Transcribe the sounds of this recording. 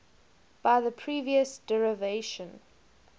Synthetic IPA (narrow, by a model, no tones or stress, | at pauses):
b̥aɪðəpʰɹ̥iːviəsd̥ɛɹəveɪʃə̃n